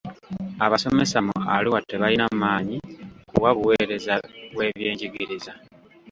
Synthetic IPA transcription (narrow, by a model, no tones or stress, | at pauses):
aβaso̞me̞samo̰a̰liwatːeβajinamaːɲikuwaβuwe̞ːɾe̞zaβwe̞ːβje̞ːɲɟiɡiɾiza